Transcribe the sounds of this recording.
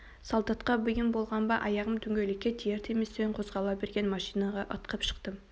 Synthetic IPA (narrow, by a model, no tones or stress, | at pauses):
sɑlˠd̪ɑt̪qɑbʏjɪmbo̞lˠʁɑnbɑʔɑjɑʁəmd̪ʰʏŋɡʲelɪkʲːet̪ʰijeɾt̪ʰemest̪eɴqʰo̞zʁɑlˠɑbe̞ɾɡʲe̞nmɑʃijnɑʁɑʔət̪qəpʃə̥qt̪ə